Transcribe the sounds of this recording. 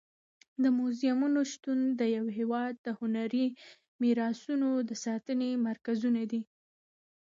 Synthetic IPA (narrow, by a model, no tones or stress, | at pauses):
d̪əmuzjamunoʃt̪und̪əjawɦewɑd̪̚d̪əhʊnaɾi | miɾɑsunod̪əsɑt̪ənemaɾkazunad̪i